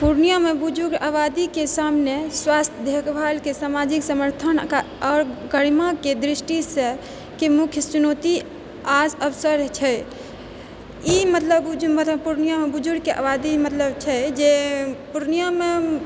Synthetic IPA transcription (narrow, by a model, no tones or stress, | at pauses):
puɾnijamebud͡ʒuɾabad̪ikesamneswast̪ʰjəd̪ʱekʰbʱalkesamad͡ʒiksəməɾt̪ʰən | ɔːɾɡəɽimaked̪ɾisʈisə | kemukʰjət͡ʃunot̪i | asəbsəɾt͡ʃʰɛ | imət̪ləbd͡ʒmət̪puɾnijamebud͡ʒuɾkeʔa̰bad̪imət̪ləbt͡ʃʰɛd͡ʒepuɾnijame